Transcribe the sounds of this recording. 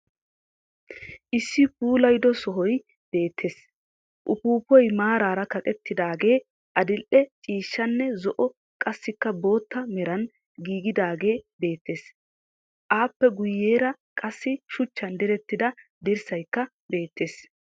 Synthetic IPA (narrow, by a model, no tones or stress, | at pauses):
ʔɪsːɪpuːlɐjd̪ɔsɔɦɔj | b̥e̞ːt̪ʰːe̞ːs | ʔʊpuːpɔjmaːɾaːɾɐkɐkʼɛt̪ːɪd̪aːɡe̞ː | ʔɐd̪ɪlʔɛt͡ʃʼiːʃːɐnːɛzɔʔɔ | kʼɐsːɪkːɐbo̞ːt̪ːɐmɛɾɐn | ɡiːɡɪd̪aːɡe̞ːbe̞ːt̪ːe̞ːs | ʔaːpːɛɡʊjːeːɾɐ | kʼɐsːɪʃʊt͡ʃːɐnd̪ɛɾɛt̪ːɪd̪ɐd̪ɛɾsɐjkːɐ | be̞ːt̪ːe̞ːs